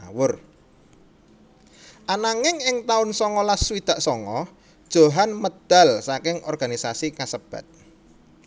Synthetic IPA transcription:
wʊr | ʔanaŋɪŋɪŋt̪aʊnsɔŋɔlaswid̪̥a̤ʔsɔŋɔ | d̥ʒ̥o̤ɦanməd̪̥a̤lsakɪŋʔɔrɡ̥anisasikasəb̥a̰t̪̚

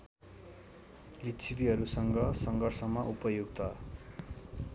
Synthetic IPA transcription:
lit͡sʰibiɦʌɾusʌŋɡʌsʌŋɡʌrsʌmːʌʔupʌjuɡt̪ʌ

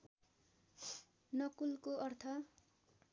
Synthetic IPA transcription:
nʌkulkoʌrt̪ʰʌ

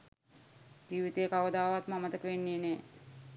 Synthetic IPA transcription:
d͡ʒiːʋit̪eːkaʋəd̪aːʋat̪mamət̪əkəʋenːiːneː

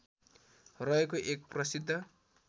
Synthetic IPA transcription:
rʌekoʔek̚prʌsid̪ʱːʌ

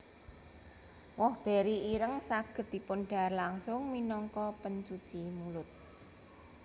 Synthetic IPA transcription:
wɔhb̥eɾiiɾəŋsaɡ̥ə̤t̪̚d̪̥i̤pʊnɖ̥a̤rlaŋsʊŋminɔŋkɔpənt͡ʃu̥t͡ʃimulʊt̪̚

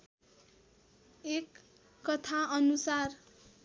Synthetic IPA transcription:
ekː | ʌt̪ʰaʌnusar

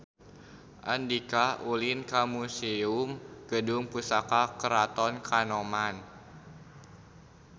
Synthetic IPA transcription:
ʔandikaulinkamuseumɡ̥ədʊŋpusakakəɾat̪ɔnkanɔman

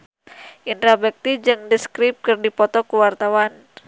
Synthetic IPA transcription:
ʔint̪ɾabɛk̚t̪id͡ʒɨŋdəskɾip̚kɨrdipɔt̪ɔkuwart̪awan

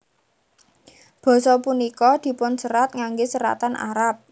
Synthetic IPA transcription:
b̥ɔ̤sɔpunikɔd̪̥i̤pʊnsəɾat̪̚ŋaŋɡesəɾa̰t̪anʔa̰ɾap̚

